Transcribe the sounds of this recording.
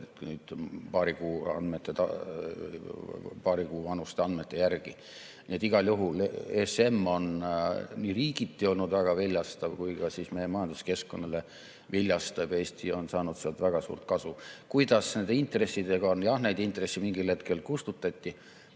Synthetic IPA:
t̪nyːd̪̥pɑːɾikuːɑ̰nd̪̥met̪ːˑet̪ɑ̰ | pɑːɾikuːvɑnust̪eɑnd̪met̪ˑːe̞jærɡ̥i | niet̪iɡ̥ɑljuɦulese̞mːo̞nniːriːɡit̪ːˑio̞lnud̪væɡ̥ɑvilʲjɑst̪ɑvkujkɑsismejemɑjɑnd̪uske̞skko̞nːɑle | vilʲjɑst̪ɑbe̞ːst̪io̞nsɑːnud̪̥seɑlt̪væɡ̥ɑsṵːrt̪̚kɑsukujd̪̥ɑsne̞nd̪eint̪re̞sːid̪eɡ̥ɑnjɑhnejd̪̥int̪re̞sːimiŋɡilhe̞t̪ke̞lkust̪ut̪ːˑɑt̪ʲːi

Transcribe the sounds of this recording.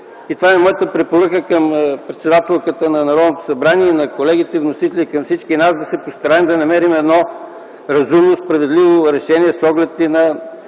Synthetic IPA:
it̪vaɛmɔjət̪əpɾɛpoɾəkəkəmpɾɛt̪sɛd̪at̪ɛlˠkət̪ənɐnɐɾɔd̪not̪o̥sɐbɾaniɛinɐkolɛɡ̟it̪ɛvnosit̪ɛlʲikɐmfsit͡ʃkinasd̪ɐsɛpost̪ɐɾaɛmd̪ɐnɐmɛɾimɛd̪nɔ | ɾɐzumnospɾɐvɛd̪livoɾɛʃɛniɛsɔɡlɛt̪ːinɐ

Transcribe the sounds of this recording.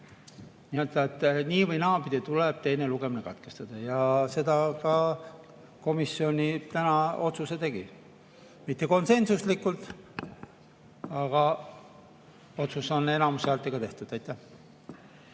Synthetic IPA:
niøt̪ɑet̪ːˑniːvɤjnɑːpid̪it̪uleb̥̚t̪e̞jne̞luɡe̞mine̞kɑt̪kest̪ɑd̪̥ɑjɑse̞d̪ɑkɑ | ko̞misːio̞nʲit̪ænɑo̞t̪suse̞t̪e̞ɡ̥i | mit̪ːe̞ko̞nse̞nsuslikːult̪ | ɑɡ̥ɑ | o̞t̪suso̞ne̞nɑmusælt̪ːˑeɡ̥ɑt̪e̞ht̪ud̪̥ɑjt̪ːˑæh

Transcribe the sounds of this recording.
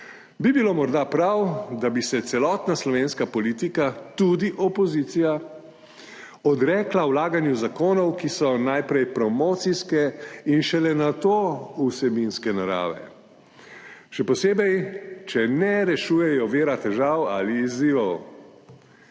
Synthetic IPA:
bibiloːmɔɾd̪apɾawd̪abisɛt̪sɛlɔːt̪naslɔʋeːnskapɔliːt̪ikat̪ud̪iʔɔpɔzit̪sija | ɔd̪ɾɛːklawlaːɡanjuzakoːnɔwkisɔnajpɾɛjpɾɔmɔt̪siskɛinʃɛlɛnat̪oːusɛbinskɛnaɾa̰ːʋɛ̰ | ʃɛpɔseːbɛjt͡ʃɛnɛɾɛʃuːjɛjɔʋeːɾat̪ɛʒawaliːziːʋɔw

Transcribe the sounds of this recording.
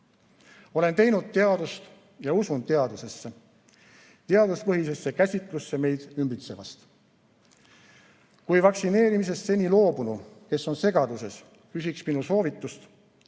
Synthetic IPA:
o̞le̞nt̪e̞jnud̪̥̚t̪e̞ɑd̪ust̪ | jɑusund̪t̪eɑd̪use̞sːe | t̪e̞ɑd̪uspɤɦise̞sːe̞kæsʲit̪ˑlusːe̞me̞jd̪̥ymbit̪se̞vɑst̪ | kujvɑksine̞ːɾimis̬e̞sːe̞nʲilo̞ːbunuke̞sːo̞nse̞ɡ̥ɑd̪use̞s | kysiksminuso̞ːvit̪ːˑust̪

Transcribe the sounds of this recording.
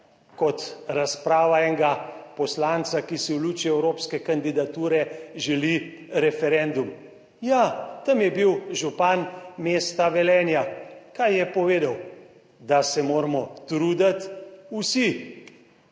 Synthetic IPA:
kɔt̪ɾaspɾaːʋaɛŋɡapɔslant̪sakisiwlut͡ʃiɛwɾoːpskɛkand̪id̪at̪uːɾɛʒɛli | ɾɛfɛɾɛnd̪um | jat̪amjɛbiwʒupanmeːst̪aʋɛlɛːnjakajjɛpɔʋeːd̪aw | d̪asɛmoːɾmɔt̪ɾuːd̪at̪usi

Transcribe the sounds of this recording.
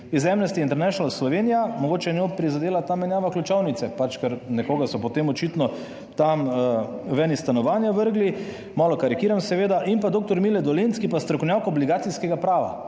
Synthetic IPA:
izɛmnɛst̪iint̪ɛɾnɛʃnalslɔʋenijamoɡoːt͡ʃɛnjopɾizad̪eːlat̪amɛnjaːʋaklut͡ʃawnit̪sɛpat͡ʃkɛɾnɛkoːɡasɔpɔt̪emɔt͡ʃit̪nɔ | t̪am | ʋɛnist̪anɔʋaːnjaʋəɾɡli | malɔkaɾikiːɾamsɛʋeːd̪aʔimpad̪oːk̚t̪ɔɾmilɛd̪ɔlenskipast̪ɾɔkownjawkɔbliɡaːt̪siskɛɡapɾaːʋa̰

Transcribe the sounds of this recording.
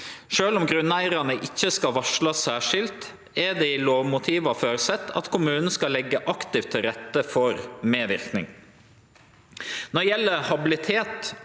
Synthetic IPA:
ʃøːlʊmɡɾʉnːæɪɾɑnəʔɪçːəskɑʋɑʂɭɑsæːʂɪlt̪ | ɛd̪ɛːɪloːʋmʊt̪ʰiːʋɑføːɾsɛt̪ːɑ̰t̪kʰʊmʉːnn̩skɑlɛɡːəʔɑkt̪ɪft̪ʰːɪlɾɛt̪ːəfɔɾmeːʋɪɾknɪ̰ŋ | nɔjɛlːəhɑbɪlɪt̪ʰeːt̪

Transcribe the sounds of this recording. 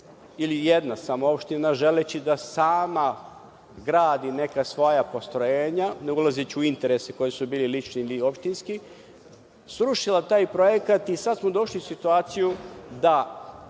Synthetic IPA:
ilije̞d̪nasamoo̞pʃt̪inaʒe̞let͡ɕid̪asaːma | ɡɾaːd̪ine̞kasʋo̞japo̞st̪ɾo̞jeːɲaneulazit͡ɕuint̪e̞ɾeseko̞jesubiːlilit͡ʃniilio̞pʃt̪inski | sɾuʃilat̪aːjpɾo̞jekat̪isad̪smod̪o̞ʃliusit̪uaːt̪sijud̪a

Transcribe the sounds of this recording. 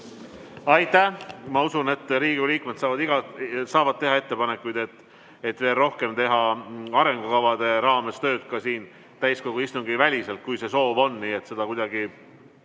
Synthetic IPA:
ɑjt̪ːˑæhmɑusune̞t̪ːˑɾiːɡiliːkmet̪sɑːvɑd̪iɡ̥ɑsɑːvɑd̪̚t̪e̞ɦɑe̞t̪ːe̞pɑne̞kːˑujd̪̥e̞t̪ː | et̪ve̞ːlro̞hke̞mt̪e̞ɦɑɑɾe̞ŋɡ̥okɑvɑd̪̥e̞ɾɑːme̞st̪ø̞ːd̪̥kɑsiːn | t̪æjsko̞ɡ̥uist̪uŋɡivælʲise̞lt̪̚kujse̞so̞ːvo̞nːniːet̪se̞d̪̥ɑkujd̪̥ɑɡi

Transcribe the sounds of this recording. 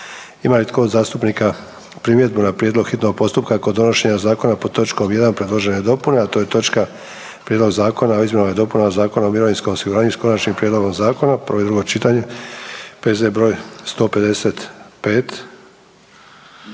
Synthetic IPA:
imalit̪kod̪zaːst̪upnika | pɾimje̞d̪̚bunapɾjed̪lˠoɡxit̪no̞ɡ̚po̞st̪upkako̞d̪o̞noʃe̞ɲazaːko̞napot̪o̞t͡ʃko̞mje̞d̪anpɾe̞dlˠo̞ʒe̞ne̞d̪o̞pune̞at̪oːjet̪o̞t͡ʃka | pɾjed̪lo̞ɡzaːko̞naoizmenoʋjed̪o̞punazaːko̞naomiɾo̞ʋinsko̞mosiɡuɾaːɲuisko̞nat͡ʃnimpɾʲjed̪lo̞ɡo̞mzaːko̞napəɾʋo̞jid̪ɾuɡo̞t͡ʃit̪aɲe | pezebɾo̞ːjst̪o̞ːpe̞d̪e̞se̞t̪pe̞ːt̪

